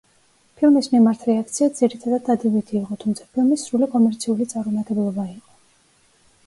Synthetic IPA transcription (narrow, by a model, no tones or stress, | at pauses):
pʰilˠmismimaɾt̪ʰɾɛak̚t̪sʰiad̪z̥iɾit̪ʰad̪ad̪ːad̪ivit̪ʰiːqʼɔt̪ʰumt̪sʰḁpʰilˠmisɾulikʼɔmɛɾt̪sʰiulit̪sʼaɾmɔmat̪ʼɛblˠɔbaiqʼɔ̥